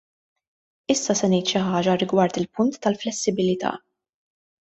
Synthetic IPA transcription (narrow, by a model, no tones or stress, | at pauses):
ɪsːɐsɛnɛjt̪ʃɪħɐːd͡ʒɐɾɪɡwɐɾt̪ɪlpʊnt̪ːɐlflɛsːɪbɪlɪt̪ɐ̰ː